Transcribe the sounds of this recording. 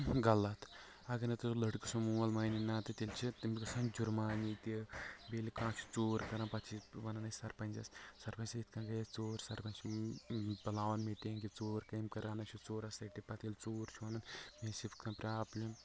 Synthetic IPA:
ɡɐlːɐt̪ʰ | ɐɡɐnɐt̪ulɐɽku̥sumuːɐlmɐːninaːt̪ɐt̪ilʲt͡ʃʰit̪imikɐsɐnd͡ʒuɾmaːnit̪ibelikãːt͡ʃʰu̥t͡soːɾkɐɾɐnpɐt̪ʰt͡ʃʰiʋɐnɐnɐsɐɾpɐnʲd͡ʒɐssɐɾpɐnʲsɐit̪ʰkʰɐ̃ːɡɐjɐt͡soːɾsɐɾpɐnt͡ʃʰ | bɐlaːʋɐnmeʈeːŋɡit͡soːɾkɐːmkɐɾaːnɐt͡ʃʰut͡soːɾɐsɐʈipɐt̪ʰilʲt͡soːɾt͡ʃʰɐnɐnmeːsift̪kʰɐpɾʲaːplʲim

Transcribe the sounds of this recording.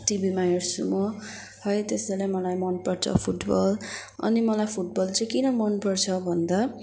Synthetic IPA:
ʈibʱimajʌɾsumʌ | hʌjt̪esalejmʌlajmʌnpʌrt͡sʰʌ̰pʰuʈbʌlʌ̰nimʌlajpʰuʈ̚bʌlt͡sʌj̃kinʌmʌnpʌrt͡sʰʌbʱʌnd̪a

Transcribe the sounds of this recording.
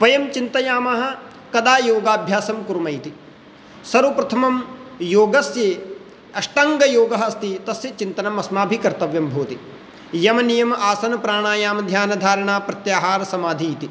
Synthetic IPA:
ʋɐjɐmt͡ʃint̪ɐjaːmɐɦɐ̆ | kɐd̪aːjoːɡaːbʱjaːsɐmkuɾumɐjt̪i | sɐɾupɾɐt̪ʰɐmɐmjoːɡɐsjeː | ɐʂʈɐŋɡɐjoːɡɐɦɐst̪it̪ɐsjɐt͡ʃint̪ɐnɐmɐsmaːbʱikɐɾt̪ɐʋjɐmbʱoːt̪i | jɐmɐnijɐmʔaːsɐnɐpɾaːɳaːjaːmɐd̪ʱjaːnɐd̪ʱaːɾɐɳaːpɾɐt̪jaːɦaːɾɐsɐmaːd̪ʱijit̪i

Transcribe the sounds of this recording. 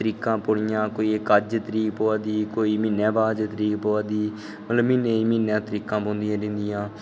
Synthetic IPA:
t̪əɾiːkãːpoːɽɪjãːkoːiːkəd͡ʒt̪əɾiːkpoːaːd̪iːkoːiːmɪnɛ̃ːbaːd͡ʒt̪əɾiːkpoːaːd̪iː | mət̪ləbmɪneːiːmɪnãːt̪əɾiːkãːpõːnd̪ɪjãːdɪ̃nd̪ɪjãː

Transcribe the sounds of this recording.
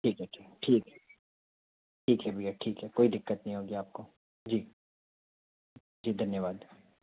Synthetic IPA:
ʈʰiːkɦɛʈʰikʈʰiːkɦɛ | ʈʰiːkɦɛbʱiaʈʰiːkɦɛkoːid̪ɪkːət̪̚nɐɦĩɦoːɡiaːp̚ko | d͡ʒiː | d͡ʒiːd̪ʱɐnjəʋaːd̪

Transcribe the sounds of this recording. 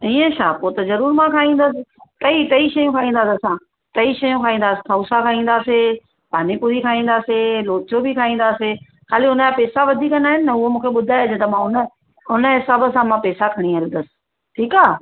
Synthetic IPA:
iːə̃ʃaːpoːt̪ɐzɐɾuːɾmãkʰaːĩːnd̪əsɪ̆k̪ɐit̪ɐiʃɐjũkʰaːĩːn̆d̪aːsɐsã | t̪ɐiʃɐjũkʰaːĩːnd̪aːsɪ̥̆kʰausakʰaːĩːn̆d̪aːse | paːnipuɾikʰaːĩːn̆d̪aːseloːt͡ɕobikʰaːĩːn̆d̪aːse | xʰaːliʊnəd͡ʑapɛːsaʋɐd̪ʱikɐnaːɦɪnɪːɐʊɦomũːkʰeɓʊd̪ʱaːed͡ʑt̪ɐmãʊnə | ʊnəsɐb̆ʱsãmãpɛːsakʰɐɽ̃iɦɐl̃nd̪əsɪ̥̆ | ʈʰiːkaː

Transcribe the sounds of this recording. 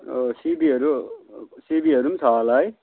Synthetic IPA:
sibiɦʌɾu | sibiɦʌɾumsʰaːlaj

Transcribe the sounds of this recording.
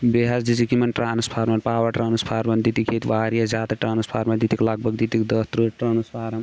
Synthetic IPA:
beɦasd͡ʒid͡ʒikimɐnʈɾaːnspʰaːɾmɐɾpaːwɐʈɾaːnɨspʰaːɾmɐnd̪it̪ikʰeːt̪ʋaːɾijazʲaːd̪aʈɾaːnspʰaːɾmɐnd̪it̪iklaɡ̚bʱɐɡ̚d̪it̪ikd̪ət̪ɾuʈɾɐːnuspʰaːɾɐm

